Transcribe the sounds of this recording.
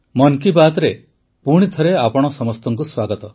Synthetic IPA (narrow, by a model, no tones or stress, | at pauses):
mɔŋkibat̪ɾe | puɽ̃it̪ʰɔɾeapɔɽ̃ɔsɔmɔst̪ɔŋkuswaɡɔt̪ɔ